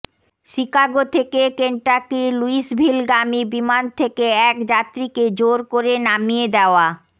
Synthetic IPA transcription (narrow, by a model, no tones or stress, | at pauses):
ʃikaɡot̪ʰekekeɳʈakɾiluiʃbʱilɡamibimant̪ʰekeɛkd͡ʑat̪ːɾiked͡ʑoɾkoɾenamied̪ɛoa